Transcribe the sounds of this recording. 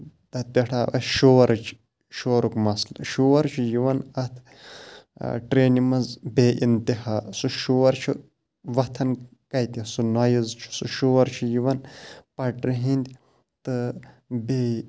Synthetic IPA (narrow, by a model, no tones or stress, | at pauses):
d̪̥ɐt̪ɐʈʰaːʔɐ̰ʃoɐɾɨt͡ʃʰ | ʃoɐɾukmɐslʃuwɐɾt͡ʃʰijiʋɐnɐt̪ʰ | ʈɾeːnimɐzbeːint̪ihaːsuʃuʋɐɾt͡ʃʰi | ʋɐt̪ʰɐn | kɐjt̪isunaːjizt͡ʃʰu̥suʃuʋɐɾt͡ʃʰijiʋɐnpɐʈɾiɦind̪ʲi | t̪ɨ | be